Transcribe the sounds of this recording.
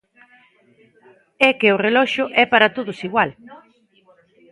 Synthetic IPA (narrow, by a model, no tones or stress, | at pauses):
ɛkɪʊrelɔʃʊʔɛpaɾat̪oðʊsiɣwal